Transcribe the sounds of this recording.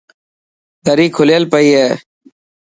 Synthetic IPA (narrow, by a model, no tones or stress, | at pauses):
d̪əɾiːkʰʊljəlpəiːɦeː